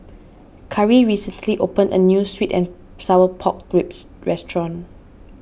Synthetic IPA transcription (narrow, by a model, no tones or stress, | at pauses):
kʰaɹiɹisə̃ntʰliʔopə̃ndə̰njuswitɛ̰̃n | sawəpʰɔk̚d̥ɹips | ɹɛstɹɔ̃n